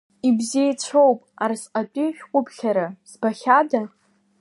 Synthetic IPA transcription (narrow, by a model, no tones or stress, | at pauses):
ibziejt͡ɕʷʰowpʼarsqʼatʼiʃᶣqʷʼʊpʰɬʲaɾazbaχʲada